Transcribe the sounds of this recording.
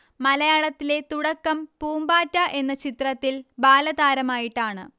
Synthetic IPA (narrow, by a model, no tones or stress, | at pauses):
mɐlɐjaːɭɐt̪ːile̞t̪uɽɐkːɐmpuːmbaːtːɐʔe̞nːɐt͡ɕit̪rɐt̪ːilbaːlɐðaːɾɐmaːjiʈːaːɳɨ̰